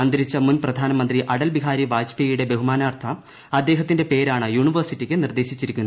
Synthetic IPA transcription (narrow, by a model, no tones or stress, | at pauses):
ɐnd̪ɐɾit͡ɕːɐmunprɐd̪ʱaːnɐmɐnd̪riʔɐɽɐlbiɦaːɾiʋaːd͡ʑpejuɽe̞be̞ɦumaːnaːrt̪ʰɐ | ɐd̪ːe̞ːɦɐt̪ːinde̞pe̞ːɾaːɳɨjuːɳiʋɐrsitːikʲːɨnird̪e̞ːɕit͡ɕːiɾikʲːunːɐ